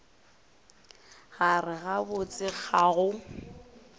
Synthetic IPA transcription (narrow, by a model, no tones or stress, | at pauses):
ɣarɪɣabʊt͡sʼɪk͡xʰaɣʊ